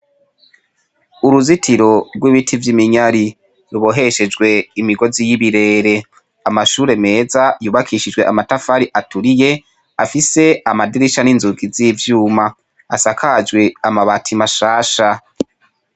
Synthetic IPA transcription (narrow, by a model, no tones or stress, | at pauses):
uɾuzitʰiɾo̞ɾɡwiβitʰivjimiɲaɾi | ɾuβo̞ɦe̞ʃe̞d͡ʒɡwe̞imiɡo̞zijiβiɾe̞ːɾe̞ | amaʃuːɾe̞me̞ːzajuːβakʰiʃid͡ʒɡwe̞ʔamatafaɾiʔatuɾije̞ | afise̞amadiɾiʃaninzuɡizivjuːma | asakʰad͡ʒɡwe̞amaβatʰimaʃaːʃa